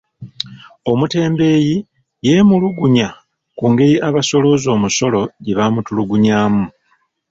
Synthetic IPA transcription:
o̞mute̞ːmbe̞ːji | je̞muluɡuɲa | kuːŋɡe̞ɾiʔaβaso̞lo̞zo̞ːmuso̞lo̞ɟiβamutuluɡuɲaːmu

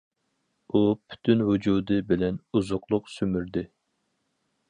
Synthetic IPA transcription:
upʰy̥t̪ʰynwud͡ʒud̪ɨbɪlɛnuzʊqlˠʊqsymyɾd̪ɪ

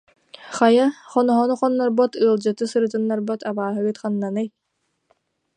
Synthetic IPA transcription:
χajaχɔnɔɦɔnuχɔnːɔɾbɔt̪ɯːlˠd͡ʑɯt̪ɯsɯɾɯt̪ɯnːaɾbɔt̪abaːɦɯɡɯt̪χanːanɯj

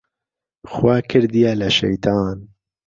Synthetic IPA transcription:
xwaːkʰɨɾd̪ijalɐʃɛ̰jt̪ʰɑːn

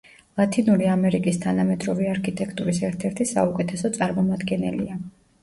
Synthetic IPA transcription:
lˠat̪ʰinuɾiamɛɾikʼist̪ʰanamɛt̪ʼɾɔviaɾkʰit̪ʼɛkʰt̪ʼuɾisɛɾt̪ʰɛɾt̪ʰisa̰ukʼɛt̪ʰɛsɔt̪sʼaɾmɔmad̪ɡɛnɛlḭa

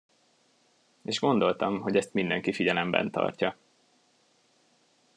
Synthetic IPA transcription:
eːʒɡo̞nd̪o̞lt̪ɒmɦo̞ɟɛst̪mind̪ɛŋkifiɟɛlɛmbɛ̰nt̪ɒ̰rcɒ

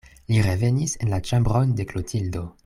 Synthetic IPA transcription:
liɾeve̞nise̞nlat͡ʃambɾonde̞klotʰildo̞

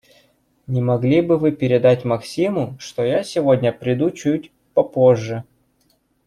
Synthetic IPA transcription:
nʲɪmɐɡlʲibɨvɨpʲɪɾʲɪd̪atʲmɐksʲimʊʂt̪o̞jasʲɪvo̞dʲnʲəpɾʲɪd̪ut͡ɕutʲ | pɐpoʐːə

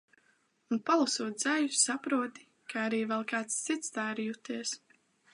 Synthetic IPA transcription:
unpalˠusuɔt̪̚d̪z̥ajusapɾuɔt̪i̥ | kʰaaɾiːvɛlˠkaːt̪ssit̪st̪aːɾjut̪iɛs

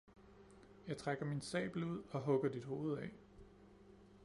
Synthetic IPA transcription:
jɑ̈ɪt͡sʰʁaɡ̥ɐminsɛ̰ːb̥l̩uð̞̰ˠɒ̽ɦɔ̽ɡ̥ɐd̥id̥ho̝ːð̞̩ˠɛ

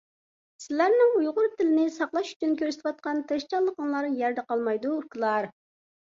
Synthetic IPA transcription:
sɪlæɾnɪŋujʁʊɾt̪ʰɪlɪnɪsɑqlˠɑʃy̥t͡ʃʰynkʲʰøɾsɪ̥t̪ʰwɑt̪̚qɑnt̪ʰɨʃt͡ʃɑlˠːəqəŋlˠɑɾjɛɾd̪ɛqɑlˠmɑjd̪ukʲɨlˠɑɾ

